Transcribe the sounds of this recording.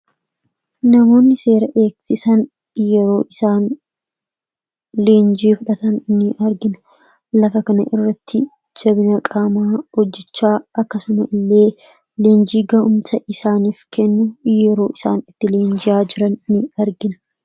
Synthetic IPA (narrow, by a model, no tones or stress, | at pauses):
nɐmo̞ːnːɪse̞ːɾɐʔe̞ːksɪsɐn | jɛɾo̞ːʔɪsaːn | le̞ːnd͡ʒiːfʊᶑɐt̪ɐnnːɪʔɐɾɡɪnɐ̥ | lɐfɐkɐnɐʔɪrːɐt̪ʰːɪ | d͡ʒɐbɪnɐkʼaːmaːhɔd͡ʒːɪt͡ʃːaːɐkːɐsʊmɐʔɪlːe̞ː | le̞ːnd͡ʒiːɡɐʔʊmt̪ɐʔɪsaːniːfkɛnːʊjɛɾo̞ːʔɪsa̰ːnɪt̪ːɪleːnd͡ʒɪjaːd͡ʒɪɾɐnːɪɐɾɡɪnɐ̥